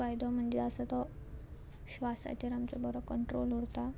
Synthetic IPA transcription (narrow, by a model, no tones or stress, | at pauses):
ajd̪ʱɔm̤əɳd͡zeəsat̪ɔ | ɕʋasa̰t͡ɕeɾamt͡ɕɔbɔɾɔkəɳʈɾolɦuɽt̪a